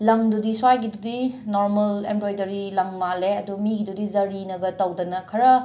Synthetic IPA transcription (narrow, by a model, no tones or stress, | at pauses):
lɐŋdudiswajɡidudinoɾmɐlembɾojdɐɾilɐŋmaleɐdumiɡidudizɐɾinɐɡɐtɐwdɐnɐkʰɐɾɐ